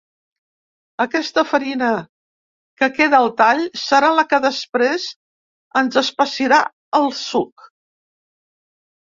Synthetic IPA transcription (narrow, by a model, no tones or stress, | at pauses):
əkɛst̪əfəɾinə | kəkeðəːlˠt̪aʎsəɾaləkəðəspɾez | ənzəspəsiɾa | əlˠsuk̚